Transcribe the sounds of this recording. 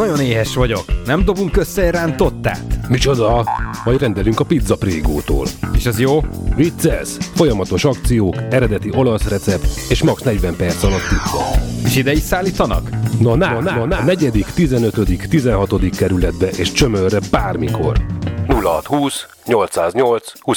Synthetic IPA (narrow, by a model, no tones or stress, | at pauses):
nɒɟo̞neːɦɛʃʋɒɟo̞̰knɛmd̪o̞buŋkø̞sːɛɾaːnt̪o̞t̪ːa̰ːt̪mit͡ʃo̞d̪ɒmɒjɟrɛnd̪ɛlyŋkɒpid̪zɒpreːɡo̰ːt̪o̰ːleːʃɛzjoːvit̪sɛlsfo̞jɒmɒt̪o̞ʃɒk̚t̪sijoːkɛɾɛd̪ɛt̪iʔo̞lɒsrɛt̪sɛpt̪eːʃmɒksnɛɟʋɛmpɛrt̪sɒlɒt̪ːit̪ʋɒ̰eːʃid̪ɛjit̪saːliːt̪ɒnɒ̰knɒnanaɒnanɛɟɛd̪ikt̪izɛnøt̪ød̪ikt̪izɛnɦɒt̪o̞d̪ikːɛɾylɛd̪bɛʔeːʃt͡ʃø̞mørːɛbaːrmiko̞̰rnulːɒɦɒt̪huːs | ɲo̞lt̪saːzɲo̞lt̪shuː